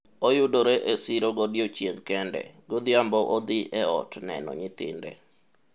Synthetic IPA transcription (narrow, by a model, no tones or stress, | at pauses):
ojʊdoɾeʔesɪɾoɡodjot͡ʃjeŋkɛndɛ̰ɡod̪ɪambɔʔod̪ɪʔɛɔ̰tnɛ̰nɔ̰ɲɪt̪ɪ̰ndɛ̰